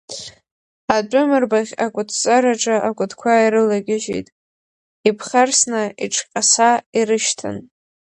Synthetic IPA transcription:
ad͡ʒʷʼʊmɨrbaχʲakʷʼʊtʰt͡sʼaɾaʈ͡ʂʼaʔakʷʼʊdʰkʷʰaiɾɨlaɡʲɪʒḭjtʼ | ipʰχarsnaiʈ͡ʂʰqʲʼasaiɾɨʃtʰa̰n

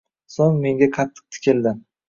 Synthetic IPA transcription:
soŋme̞ŋɡʲaqʰɑt̪ʰːɨ̥q̚t̪ʰɪ̥kʲɪld̪ɪ

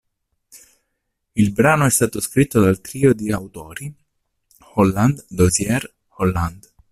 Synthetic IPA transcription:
ilbɾaːnoɛst̪aːt̪oskɾit̪ːod̪alt̪ɾiːod̪iawt̪oːɾi | hɔlːand̪d̪ozjɛr | hɔlːand̪

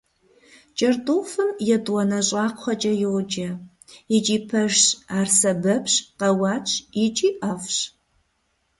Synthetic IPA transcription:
t͡ʃʼɐrdufɨmjɛdwɐnɐɕʼɑːqʷχʷɐt͡ʃʼɐjɪʁd͡ʒɐ | ɪt͡ʃʼiːpʰɐʒɕaːrsɐbɐpʰɕqɐwɑːt͡ʃʰʼɪt͡ʃʼiːʔɐfɕ

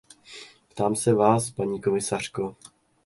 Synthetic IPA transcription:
pt̪aːmsɛvaːspaɲiːko̞mɪsar̝̥ko

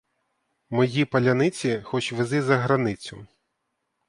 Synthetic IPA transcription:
mɔjipɐlʲɐnɪt͡sʲixɔt͡ʃʋɪzɪzɐɦɾɐnɪt͡sʲʊ

